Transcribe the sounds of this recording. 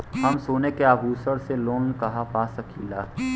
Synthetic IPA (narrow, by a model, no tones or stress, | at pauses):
hɐmsoːnekeabuːsəɾseloːnkɐɦapaːsəkʰilaː